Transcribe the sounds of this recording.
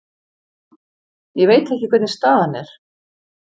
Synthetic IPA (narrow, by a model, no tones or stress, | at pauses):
jɛɣvejt̪ɛhcɪkʰvɛt̪nnst̪aːðanɛɾ̥